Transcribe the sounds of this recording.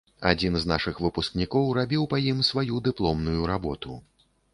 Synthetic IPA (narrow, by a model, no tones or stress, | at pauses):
a̰d͡zʲinznaʂɨxvɨpusknʲikɔwrabʲiwpajimsvajud̪ɨplˠɔmnujuɾabɔt̪ṵ